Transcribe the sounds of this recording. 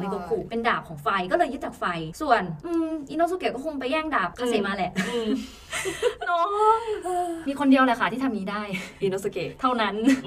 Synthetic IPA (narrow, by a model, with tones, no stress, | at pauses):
na˧jko˧˩kʰuː˨˩pe˧ndaː˨˩p̚kʰɔː˩˦ŋfa˧jkɔː˥˩lɤː˧jːɯ˦˥t̪̚t͡ɕaː˨˩k̚fa˧jsu˨˩ənʔɯː˧mʔiː˧no˦˥su˧ke˨˩kɔː˥˩ku˧ŋp̬a˧jːɛː˥˩ŋdaː˨˩p̚kʰa˧˩sa˨˦maː˧lɛ˧˩ʔɯ˧ | ɔː˧˦˥ | miː˧kʰo˧ndi˧əwlɛ˧˩kʰa˧˩t̪ʰiː˥˩a˧mniː˧daː˥˩jʔiː˧no˦˥su˧ke˨˩t̪ʰa˥˩wna˦˥n